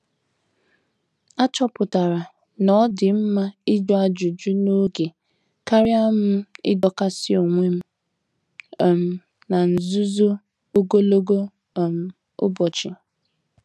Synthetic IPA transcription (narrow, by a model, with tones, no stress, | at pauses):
a˦t͡ʃɔ˦pʊ˨ta˨ɾa˨ | nɔ˦dɪ˨m̩˦ma˦ɪ˦d͡ʒɔ˦a˨d͡ʒu˨d͡ʒu˦no˦ɡe˨ | ka˦ɾɪ˦a˦mʊ˦ɪ̰˦dɔ˨ka˦sɪ˦o˨ŋʷe˦m̩˦˨ | m̩˨ | na˨n̩˨zʊ˦zo˦ | o˦ɡo˦lo˦ɡo˦˨ | m̩˨ | ʊ̰˦bɔ˨t͡ʃɪ˨